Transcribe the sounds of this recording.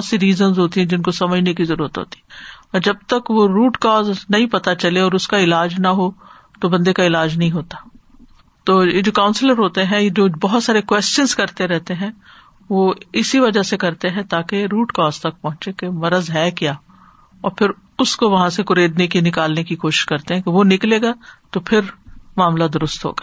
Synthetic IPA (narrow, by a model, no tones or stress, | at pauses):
t̪siɾiːzənzɦoːt̪̬iɦɛ̃d͡ʒɪnkosɐməd͡ʒʱnekizɐɾuːɾət̪ɦo̰ːt̪i̥ɛɔːɾd͡ʒɐb̚t̪ɐkʋoɾuːʈkɔːznɐɦĩpɐt̪at͡ʃɐleɔːɾʊskaɪlaːd͡ʒnɐɦo | t̪obɐ̃nd̪ekaɪlaːd͡ʒnɐɦĩɦoːt̪aː | t̪oːjed͡ʒoːkãːʊ̃nsɪləɾɦoːt̪eɦɛ̃jed͡ʒoːbɐɦʊt̪saːɾekwɛːst͡ʃənzkɐɾt̪eɾɛɦt̪eɦɛ̃ | ʋoɪsiʋɐd͡ʒasekɐɾt̪eɦɛ̃t̪aːkeɾuːʈkɔːzt̪ɐk̚pɐ̃ɦʊ̃t͡ʃekemɐɾəzɦɛkjaː | ɔːɾpʰɪɾ | ʊskoʋɐɦãsekʊɾeːd̪nekinɪkaːlnekikoːʃɪ̥ʃkɐɾt̪eɦɛ̃keʋonɪkleːɡaːt̪opʰɪɾmaːmlad̪ʊɾʊst̪ɦo̰ːɡa